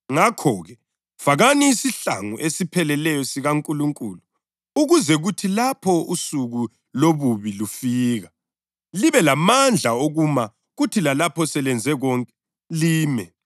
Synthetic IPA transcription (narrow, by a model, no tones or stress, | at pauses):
ŋakʰɔɣɛ | faɣaniːsiɬa̰ŋuʔesipʰɛlɛlɛjɔsiɣaŋkʼuluŋkʼuːlu | uɣuzɛɣutʰilapʰɔusuɣu | loβuβilufiːɣa | liβɛlamand͡ɮʱaoɣuma | ɣutʰilalapʰɔsɛlɛnd͡zʱɛɣɔŋkʼɛ | liːmɛ